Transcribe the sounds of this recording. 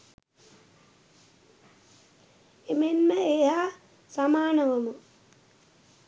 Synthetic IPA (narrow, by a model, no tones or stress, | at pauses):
emenməejaː | samaːnəʋəmu